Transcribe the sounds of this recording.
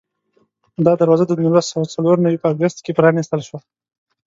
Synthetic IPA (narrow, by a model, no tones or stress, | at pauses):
d̪ɑd̪aɾwɑzad̪əd̪umulasawat͡saloɾnawipəɑːɡʊst̪kepɾɑnist̪əlʃwa